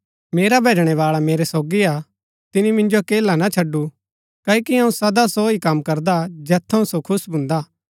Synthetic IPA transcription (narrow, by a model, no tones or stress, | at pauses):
meːɾabʱeːd͡ʒɽ̃eβaːɭameːɾesoːɡia | t̪ɪnimɪ̃nd͡ʒokeːlanat͡ʃʰɐɖːu | kɐːokiɐ̃ũsɐd̪asoikɐmkɐɾd̪ad͡ʒɛːt̪ʰːɐũsokʰʊsbʱʊ̃nd̪aː